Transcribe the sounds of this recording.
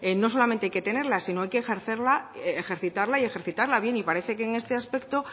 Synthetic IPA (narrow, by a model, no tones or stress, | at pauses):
eno̞s̬o̞lamẽnt̪eajke̞t̪e̞ne̞ɾlasino̞ajkeːxe̞ɾθeɾlaexe̞ɾθit̪aɾlaie̞xe̞ɾθit̪aɾlaβje̞nipaɾe̞θe̞keːŋe̞st̪easpe̞kt̪o̞